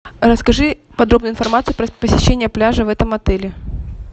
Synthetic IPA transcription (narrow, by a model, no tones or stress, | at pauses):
ɾəskɐʐɨ | pɐd̪ɾo̞bnʊɪnfɐrmat̪sɨʊpɾəpəsʲɪɕːenʲɪjəplʲaʐəvɛt̪əmɐt̪ɛlʲɪ